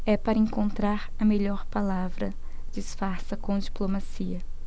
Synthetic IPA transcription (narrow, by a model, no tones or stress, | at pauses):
ɛpaɾɐẽŋkõnt̪ɾaɾɐmeʎɔɾpalavɾɐ̰ | d͡ʒsfaɾsɐkõd͡ʒiplomasiɐ